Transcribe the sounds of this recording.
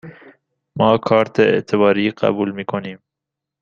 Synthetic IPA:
mɒːkʰɑːɾt̪ʰeḛʔt̪ʰeβɒːɾiːqæ̰buːlmiːkʰoniːm

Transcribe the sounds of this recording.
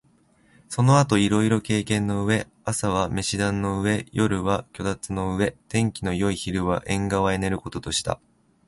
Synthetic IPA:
so̞no̞at̪o̞iɾo̞iɾo̞ke̞ːkẽ̞nːo̞ɯ̟βe̞ | asaβ̞ame̞ɕid̪ãnːo̞ɯ̟βe̞jo̞ɾɯ̟βakʲo̞d̪at͡sɨno̞ɯ̟βe̞t̪ẽ̞ŋkʲino̞jo̞içiɾɯ̟βa̰ʔẽ̞ŋɡaβae̞ne̞ɾɯ̟ko̞t̪o̞t̪o̞ɕi̥t̪a̰

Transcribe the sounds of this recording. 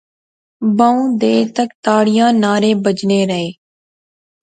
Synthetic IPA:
bəũːd̪eːt̪əkt̪aːɽɪjãːnaːɾeːbəd͡ʒneːɾəɦeː

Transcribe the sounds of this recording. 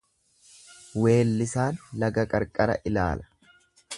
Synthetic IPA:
we̞ːlːɪsaːnlɐɡɐkʼɐɾkʼɐɾɐ̰ʔɪla̰ːlɐ̥

